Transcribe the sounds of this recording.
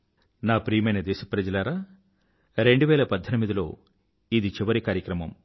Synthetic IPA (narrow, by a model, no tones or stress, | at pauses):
naːpɾiːjmɐjnɐd̪ɛːʃɐ̥pɾɐd͡ʒɐlaːɾaː | ɾe̞ɳɖuʋɛːlɐpɐd̪ʱːɐnimid̪ilo̞̰ː | id̪it͡ʃiʋɐɾikaːɾjɐkɾɐmɐm